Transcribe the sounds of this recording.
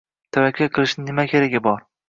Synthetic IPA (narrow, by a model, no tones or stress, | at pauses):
t̪ʰavakʲʰːaqʰɨlˠɪʃnɪnɪmakʲʰeɾaɡʲɪbɒɾ